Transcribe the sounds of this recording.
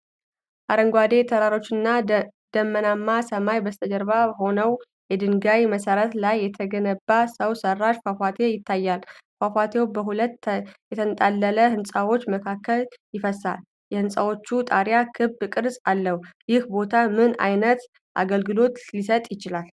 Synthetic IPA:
ʔaɾəŋɡʷad̪e̞t̪ʰəɾaɾo̞t͡ʃːɨnːa | d̪̥əmːənamːasəmajbəst̪ʰəd͡ʒəɾβabəho̞nəw | jɛd̪ɨŋɡajməsəɾət̪lajːɛt̪ʰəɡənəbːasəwsərːaʃfafat̪ʰe̞jɪt̪ːajːalfafʷat̪ʰe̞wbəɦulət̪jɛt̪ʰənt̪ʼalːələhɨnsʼawo̞t͡ʃːməkʰakːəljɪfəsa̰l | jɛhɨnsʼawo̞t͡ʃːut̪ʼaɾjakʰɨbkʼɨɾsʼalːəhujɪhbo̞t̪ʰamɨna̰jnət̪ | ʔa̰ɡəlɡɨlo̞t̪lisət̪ʼjɪt͡ʃɪlal

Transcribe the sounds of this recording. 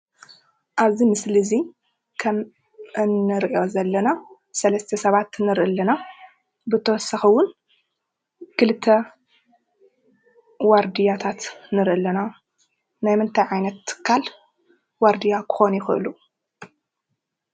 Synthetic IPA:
ʔaβzimɨslizi | kʰɐm | ɨnːɨɾʔio̞zɐlːɐna | sɐlɐst̪ʰɐsɐβat̪nɨɾʔɨlːɐna | bɨt̪ʰɐwɔsɐxɨwʊn | kʰɨlɨt̪ʰːɐ | waɾd̪ijat̪ʰat̪nɨɾʔɨlːɐna | najmɨnt̪ʰajʕajnɐt̪ːɨ̥kʰːal | waɾd̪ijakʰɨ̥xo̞njɪxɨ̰ʔɨ̰lu

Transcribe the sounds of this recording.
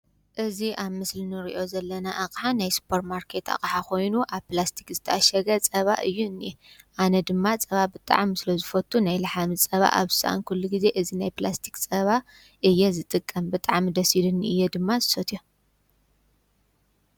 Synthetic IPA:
ʔɨziʔaβmɨslinɨɾiʔo̞zɐlːɐnaʔakʼħanajsɨ̥pʰoɾt̪maɾkʰe̞t̪ʰa̰kʼħakʰo̞jnuʔaβplast̪ʰi̥kzɨt̪ʰɐʔaʃɐɡɐt͡sʼɐβa̰ʔɨjːunːi | ʔanɐd̪ɨmːat͡sʼɐβabɨt̪ʼa̰ʕmisɨlɐzɨfɐt̪ʼʰːunajlɨħamɨt͡sʼɐβa̰ʔa̰βzɨ̥sɐ̰ʔa̰nkʰulːuɡize̞ʔɨzinajplast̪ʰi̥kt͡sʼɐβa | ʔɨjːɛzɨt̪ʼɨkʼːɐmbɨt̪ʼaʕmid̪ɐsilunːiɨjːed̪ɨmːazɨ̥sɐt̪ʰjo

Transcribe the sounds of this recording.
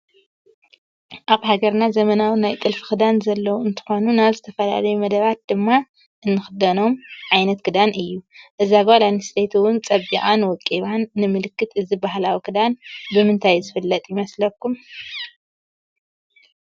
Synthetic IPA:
ʔaβhaɡɐɾnazɐmɐnawinajt̪ʼɨlfɨ̥xɨd̪anzɐlːɐwuɨnt̪ʰɨ̥xo̞nunaβzɨt̪ʰɐfɐla̰lɐjumɐd̪ɐβat̪̚d̪ɨmːa | ʔɨnːɨxɨd̪ɐno̞mʕajnɐt̪kʰɨd̪anʔɨjːuʔɨzabalanɨst̪ʰet̪ʰuwʊnt͡sʼɐβḭʔʼanwɔkʼːiβanːɨmɨlɨkːɨt̪ɨzibahlawikɨd̪anbɨmɨnt̪ʰajzɨfɨlːɐt̪ʼjɪmɐslɐkʰːum

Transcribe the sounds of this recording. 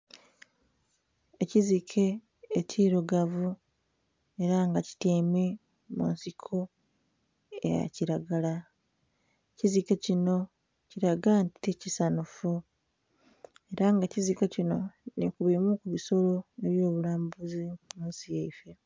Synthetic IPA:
e̞cizikʰe̞ː | ciːɾoɡavu | e̞ɾaŋɡaci̥teːme̞ | mṵnsikʰo̞ | ḛja̰ciɾaɡala | ecizike̞cino̞ | ciɾaɡantitecisanufu | e̞ɾaŋɡacizikocino̞nikuβemukuβiso̞lo̞eβjo̞ːβulaːmbuzimunsijeife

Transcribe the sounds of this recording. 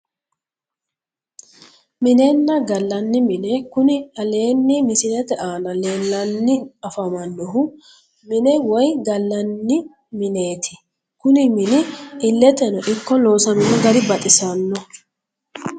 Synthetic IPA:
mɪneːnːɐɡɐlːɐnːɪmɪnekʊnɪɐle̞ːnːɪmɪsɪlɛt̪ɛʔaːnɐle̞ːlːɐnːɪɐfɐmɐnːɔɦʊ | mɪnɛwɔjɡɐlːɐnːɪ | mɪne̞ːt̪ʰɪ̥ | kʊnɪmɪnɪɪlːɛt̪ɛnɔʔɪkːɔlo̞ːsɐd̪ʊnɔɡɐɾɪbɐt̪ʼɪsɐnːɔ

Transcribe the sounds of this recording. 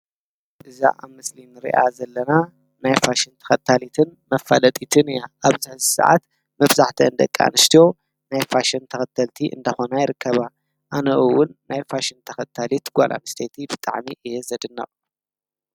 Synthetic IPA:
ʔɨza̰ʔaβmɨslinɨɾḭʔa̰zɐlːɐna | najfaʃɨnt̪ʰɐ̥xɐt̪ʰːalit̪ʰɨnmɐfːalɐt̪ʼit̪ʰɨnɨjaʔaβzɨħɨzisa̰ʕa̰t̪ | mɐβzaħt̪ʰɐɨnd̪ɐ̰kʼːa̰nɨst̪ʰijo̞ | najfaʃɨnt̪ʰɐxɐt̪ʰːɐlt̪ʰiʔɨ̰nd̪ɐxonajɪɾɨkʰːɐβa | ʔanɐʔɨwʊnːajfaʃɪnt̪ʰɐxɐt̪ʰːalit̪ɡʷa̰lʔa̰mɨst̪ʰɐjt̪ʰibɨt̪ʼa̰ʕmiʔɨjɛzɐd̪ɨnːɐ̰χʼ

